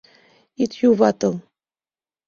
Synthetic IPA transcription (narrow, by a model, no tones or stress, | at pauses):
it̪juvɑt̪ɤl